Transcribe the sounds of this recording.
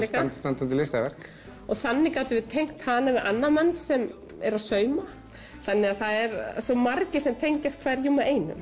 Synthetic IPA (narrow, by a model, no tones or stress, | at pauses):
ɛkast̪ant̪ant̪ɪlɪst̪avɛr̥k | ɔɣθanːɪkaːwt̪ʏvɪðt̪ʰejŋ̥kt̪haðnavɪðʔanːamɛnːsɛm | ɛɾaðsœːɥma | θanːɛɣaðθaðɛɾsɔmaɾcɪ̥sɛmt̪ʰejɲcast̪̚kʰvɛɾjumaʔeːjnʏ̰m